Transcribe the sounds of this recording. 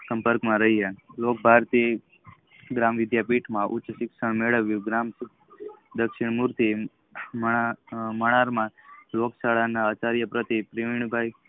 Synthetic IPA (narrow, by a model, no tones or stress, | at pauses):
sə̃mpəɾkmãɾəɦielok̚bʱaɾt̪i | ɡɾamʋɪd̪japiʈʰmãʔʊ̰t͡ʃsɪkʃəɳ̃meɭəʋjũɡɾams | d̪əkʃɪɳmuɾt̪i | məaməɽ̃aɾmãloksaɭanaət͡ʃaɾjəpɾət̪ipɾiʋiɳ̃bʱaj